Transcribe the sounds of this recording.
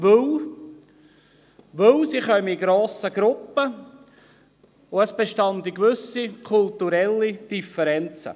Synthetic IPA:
ʋɵw | ʋɵwsiχœməiɡɾoːsəɡɾʊpːə | ʊəsb̥eʃtɑndikʋʏsikʰʊltuɾɛlːid̥ifəɾɛnt͡sə̰

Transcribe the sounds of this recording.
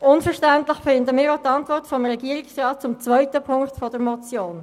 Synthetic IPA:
ʊnfəʃtɛntlɪxfɪndəmɪːɾatɑntvɔʁtfɔmʁɛɡiəʁɪksʁɑːt̚t͡sʊmt͡svœʏtəpʰʊŋktfɔdəɾmɔt͡sjoːn

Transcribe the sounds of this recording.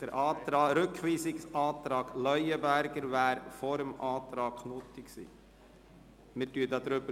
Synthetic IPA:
d̥əɾɑːɾɵkʰʋiːsɪksɑːt̪ɾɑːɡ̥lœʏəbæɾɡəɾʋæːɾfɔɾəmʔɑːt̪ɾɑːknʊt̪ɪksḭː | mɪtyːədɑːd̪ɾøbə

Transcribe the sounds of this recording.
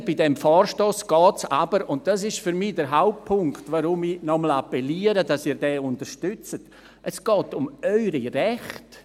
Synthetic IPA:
b̥idɛmfɔːrʃtɔːsɡ̥ɔːtsabəɾʊnt̚d̥as̬ɪʃfyɾmidəɾɦaʊp̚pʰːʊŋktvoɾʊminɔməl̩apɛliːəɾədɑsiːɾdɛːʊntəɾʃtʏt͡sət | ʔɛsɡ̥ɔːtʊmœʏɾiɾɛχt

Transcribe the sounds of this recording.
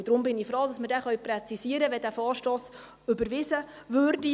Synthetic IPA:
d̥ɾʊmbɪnifɾoːdɑsməɾdɛχœɥprɛt͡sisiːəɾəʋɛdæːfɑːɾʃtoːs | ʏbəɾʋɪzə | ʋøɾdi

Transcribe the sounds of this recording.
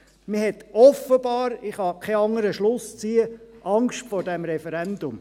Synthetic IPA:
məhɛtɔfəb̥ɑːɾɪχhɑkʰɛɑŋəɾəʃlʊst͡siːəʔɑŋkʃtfɔɾdɛmɾɛfɛɾɛndʊm

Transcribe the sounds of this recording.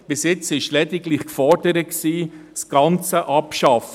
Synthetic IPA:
b̥ɪsjɪt͡sɪʃlɛd̪ɪɡlɪχkfɔɾd̥əɾətksiːsɡ̥ɑnt͡səʔɑpʃɑf

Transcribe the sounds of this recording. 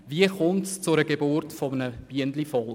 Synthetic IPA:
viəχʊmtst͡sʊɾəɡebʊrtfɔmənəb̥iəndlifɔl

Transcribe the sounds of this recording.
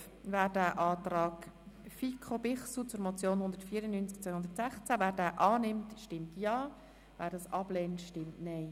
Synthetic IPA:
væːɾdæːʔɑːtrɑːɡ | fikʰobɪχsut͡sʊɾmot͡sjoːnhʊnd̪əɾtfiːəɾənːyːnt͡sk̚t͡sʋœjhʊnd̪ətsæχt͡sævæːɾdæːʔɑːnɪmtʃtɪmtʰjɑː | væːɾdɑsɑbleːntʃtɪmtnɛɪ

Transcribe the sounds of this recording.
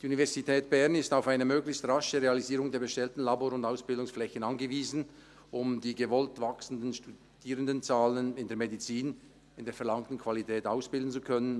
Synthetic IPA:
d̥iːunivɛɐzitʰɛːt̚b̥ɛʁnɪstaʊfaɪnəmøːɡlɪçstʁaʃəʁealiziːʁʊŋdeːɐɡəʃtɛltn̩laboːɾʊndaʊsb̥ɪldʊŋsflɛçən̩anɡəviːzn̩ | ʔʊmdiːɡəvɔltvaksn̩dənʃtu | d̥iːʁəndənt͡saːlənɪndeːɐmedit͡siːn | ɪndeːɐfɛɐlaŋtn̩kʰv̥alitʰɛːtaʊsb̥ɪldn̩t͡sukʰœnən

